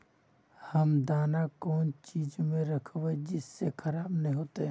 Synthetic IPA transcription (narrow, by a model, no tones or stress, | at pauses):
həmd̪aːnakɔːnt͡ʃiːd͡ʒmẽɾəkʰʋed͡ʒɪsːekʰɐɾaːbnəɦĩɦoːt̪eɦɛ̃